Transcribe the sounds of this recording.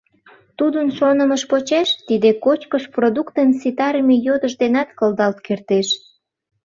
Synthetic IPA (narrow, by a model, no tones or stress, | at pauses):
t̪ud̪ənʃonəməʃpot͡ɕeʃt̪id̪ekot͡ɕkəʃprod̪ukt̪ənsit̪ɑɾəmejod̪əʒd̪enɑt̪kəld̪ɑlt̪kert̪eʃ